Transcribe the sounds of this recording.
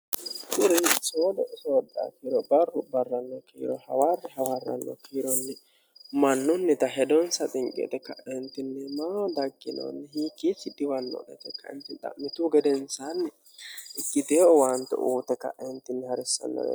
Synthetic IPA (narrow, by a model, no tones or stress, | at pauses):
kʊɾɛsoːd̪ɛʔɪsod̪a̰kiːɾɔbɐrːʊbɐrːɐnːɔkḭːɾɔhɐwarːɛɦɐwɐrːɐ̰nːɔ̰kʰiːɾɔnːɛ | mɐnːʊnːɛt̪ɐɦɛd̪ɔnsɐt̪ʼɪŋkʼɪɔ̰t̪ɛkɐʔɛnt̪ːɪnːɛmad̪ɐɡːɪno̰nːɛhiːkːit͡ʃːɪd̪ɪwɐnːɔ̰d̪ɛt̪ɛkʰːɐɛ̰nt̪ɪt̪ɐ̰mːɪt̪uːɡɛd̪ɛnsanːɛ | ʔɪkʼːɪt̪eɔwant̪ːɛ̰ʔuːt̪ɛkɐ̰ʔːɛnt̪ːɪnːɛhɐɾɪsːɐ̰nːɔ̰ɛ̰